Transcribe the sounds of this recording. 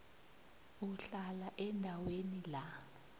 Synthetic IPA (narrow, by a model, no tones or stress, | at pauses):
uɬalaʔɛndʱawenila